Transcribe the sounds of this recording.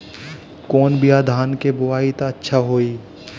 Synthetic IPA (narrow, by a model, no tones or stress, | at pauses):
kɔːnbʱijaːd̪ʱaːnkebʊʋaːit̪aɐtːʃʰaɦoːiː